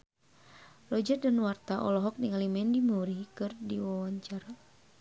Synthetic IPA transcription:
lɔd͡ʒat̪̚danwart̪aʔɔ̰lɔɦɔk̚niŋalimɛndimuɾikɨrdiwɔwɔɲt͡ʃar

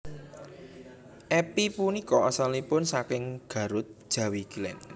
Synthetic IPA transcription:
ʔɛpipunikɔʔɔsalipʊnsakɪŋɡ̥ä̤ɾʊt̪̚ʒ̥ä̤wikilɛ̰n

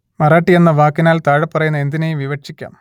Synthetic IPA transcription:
mɐraːʈːije̞nːɐʋaːkːinaːlt̪aːɻɐpːɐrɐjunːɐe̞nd̪inejumʋiʋɐʂikʲːa̰ːm

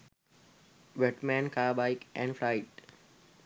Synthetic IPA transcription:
ʋeʈmæ̃ːnkaːbaɪkʔɛ̰̃ːɳɖfɾaɪʈ

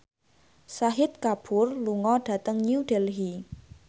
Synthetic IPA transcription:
saɦɪt̪̚kab̥ʊrluŋɔɖ̥ä̤t̪əŋɲuuɖ̥ɛlɦi

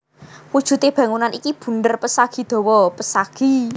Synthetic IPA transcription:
wud̥ʒ̥ṳt̪eb̥ä̤ŋunanikib̥ṳnd̪ərpəsaɡ̥i̤d̪̥ɔ̤wɔpəsaɡ̥i̤

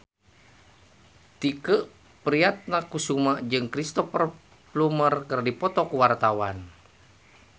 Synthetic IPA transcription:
t̪ikəʔ | pɾiat̪̚nakusumaʔd͡ʒɨŋkɾist̪ɔfər | plumərkɨrdipɔt̪ɔkuwart̪awan

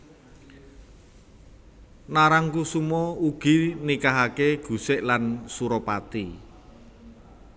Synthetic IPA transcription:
naɾaŋkusumɔuɡ̥i̤nikaɦakeɡ̥ṳsɪʔlansuɾopat̪i

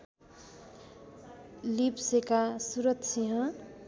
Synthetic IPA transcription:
lipsekasuɾʌt̪t͡sʰiɦʌ̃

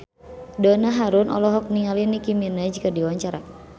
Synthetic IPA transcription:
dɔnaɦaɾʊnɔ̰lɔɦɔk̚niŋalinikiminad͡ʒkədiwaɲt͡ʃaɾa̰

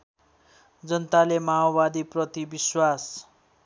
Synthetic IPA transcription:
d͡zʌnʌt̪alemaobad̪iprʌt̪ibiswas

